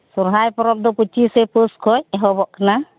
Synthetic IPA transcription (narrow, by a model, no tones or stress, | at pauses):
suɾɦajpɔɾɔp̚d̪ɔput͡ʃiseposkʰɔjɦɔbɔʔkʰana